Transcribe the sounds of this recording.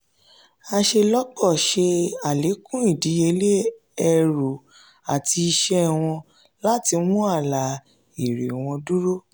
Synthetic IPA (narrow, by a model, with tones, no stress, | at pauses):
a˧ʃe˧lɔ˦k͡pɔ˦˨ʃe˧a˨le˨˦kũ˦i˦˨di˨˦e˧le˦ | ɛ˧ɾo˨ | a˨tʰi˧i˧ʃɛ˦˨w̃ɔ̃˧ | la˦ti˧mũ˦a˦˨la˨˦ | i˨ɾe˨w̃ɔ̃˧du˦ɾo˦